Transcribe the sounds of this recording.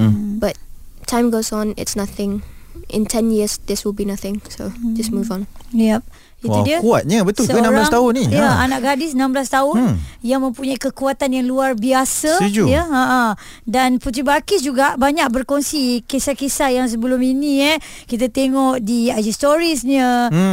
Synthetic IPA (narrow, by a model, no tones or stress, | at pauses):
bat̚tʰːãj̃mɡosɔ̃nɪ̰tsnaθɪ̃ŋ | ʔɪ̰̃ntʰɛ̃njiəsd̪ɛswɪlbinaθɪ̃ŋsod͡ʒasmuvɔ̃njɛp̚ | iudiəkuat̪̚ɲəbət̪ʊlksəənãmɾblasŋt̪aɦʊnĩjaanaʔɡadɪsnãmblast̪aʊnjaŋmə̃mpuɲaikəkuat̪anjaŋluarbiasaid͡ʒujaaʔa | danput̪ibakɪsd͡ʒuɡaʔbaɲak̚bərkɔnsikesakesajaŋs̬əbəlʊminiɛ | kit̪̬at̪eŋɔʔdiad͡ʒist̪ɔɾisɲə